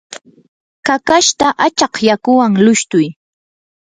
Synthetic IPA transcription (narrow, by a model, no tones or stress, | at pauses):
kakaʃt̪aʔat͡ʃɑqjakʊwaŋlʊʃt̪ʊj